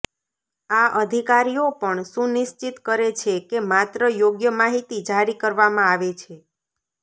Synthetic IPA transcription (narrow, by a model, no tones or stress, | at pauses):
aʔəd̪ʱikaɾijopəɳʃũnɪʃt͡ʃit̪kəɾet͡ʃʰekemat̪ɾəjoɡjəmaɦit̪id͡ʒaɾikəɾʋamãaʋet͡ʃʰe